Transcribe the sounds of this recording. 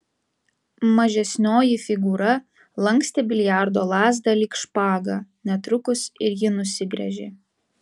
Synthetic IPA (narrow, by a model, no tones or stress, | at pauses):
mɐʒʲɛsʲnʲoːjifʲɪɡuːɾɐ | lˠɐŋksʲt̪ʲeːbʲɪlʲjæˑɾd̪oːlˠɑːzd̪ɐlʲiːkʃpɑːɡɑnʲɛt̪ɾʊkʊsɪɾjɪnʊsʲɪɡɾʲɛ̰ʒʲḛː